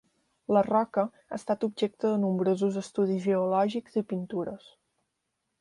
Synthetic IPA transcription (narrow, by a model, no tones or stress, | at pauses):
lərɔkə | a̰ːst̪at̪ub̚ʒek̚t̪əðənumbɾozuzəst̪uð̞izeulɔʒiɡz̥ipint̪uɾəs